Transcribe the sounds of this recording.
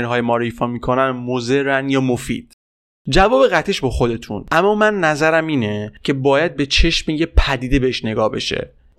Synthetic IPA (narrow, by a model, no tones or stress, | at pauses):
nɦɒːjemɒːɾoiːfɒːmiːkʰo̞nænmoze̞ɾænjɒːmofḭːd̪̥ | d͡ʒævɒːbe̞ɣæt̪ʰeʃbɒːxo̞d̪e̞t̪ʰṵnʔæmːɒːmænːæzæɾæmiːnecʰe̞bɒːjæd̪̚be̞t͡ʃʰe̞ʃmejepʰæd̪iːd̪ebe̞heʃne̞ɡɒːhbe̞̰ʃe̞̰